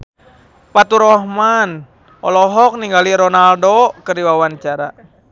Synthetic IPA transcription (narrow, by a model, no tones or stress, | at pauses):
pat̪uɾɔhman | ɔ̰lɔɦɔk̚niŋɡaliɾɔnaldokərdiwawant͡ʃaɾa